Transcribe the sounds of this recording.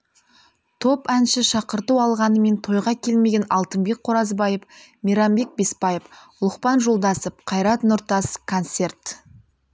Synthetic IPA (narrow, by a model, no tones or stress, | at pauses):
t̪ʰo̞pænʃɪʃɑqəɾt̪uwɑlˠʁɑnəme̞nt̪ʰo̞jʁɑkʲʰe̞lme̞ɡʲenɑlˠt̪əmbe̞k̚qʰo̞ɾɑzbɑjəp | miɾɑmbe̞k̚be̞spɑjəplˠʊqpɑnʒo̞lˠd̪ɑsəp̚qʰɑjɾɑt̪nʊɾt̪ɑskʰont̪se̞rt̪